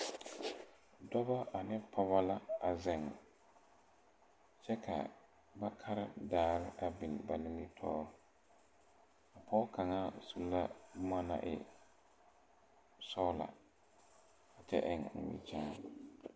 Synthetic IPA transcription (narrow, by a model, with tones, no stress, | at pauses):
dɔ˦ba˦a˨nɪ˦pʰɔ˦ba˦la˦a˨zɪ˨ŋ˨ | t͡ʃɛ˦kʰa̰˨ | ba˦kʰa˦ɾɪ˦daː˦ɾɪ˦ʔa˨bɪ˨n˨ba˨nɪ˦mi˦tʰɔ̰ː˦ɾ | a˨pʰɔː˦ka˨ŋaː˦su˦˨˦la˦bʊ˦ma˦na̰˦ʔɪ̰˨ | sɔ˦la̰˨ | a˨t͡ʃɛ̰˦ʔɪ˦˨ŋ̩˨mḭ˦t͡ʃaː˦